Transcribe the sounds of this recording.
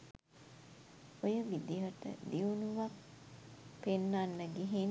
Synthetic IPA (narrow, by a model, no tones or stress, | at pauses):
ojəʋid̪iəʈə̰d̪iunuʋak | penːanːəɡeɦin